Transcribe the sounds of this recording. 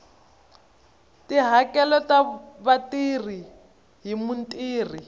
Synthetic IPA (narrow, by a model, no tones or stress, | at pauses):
tiɦakɛlɔtaβatir̤i | ɦimuntʼiːr̤i